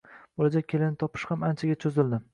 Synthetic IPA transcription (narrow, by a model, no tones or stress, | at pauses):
b̥olad͡ʒak̚ʲʰe̞lɪnɪt̪ʰɒpʰɪ̥ʃhamant͡ʃʰaɡʲat͡ʃʰozɪld̪ɪ